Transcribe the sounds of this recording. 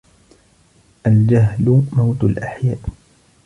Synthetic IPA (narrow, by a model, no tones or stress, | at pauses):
ʔald͡ʒaɦlmawt̪alʔaħjaːʔ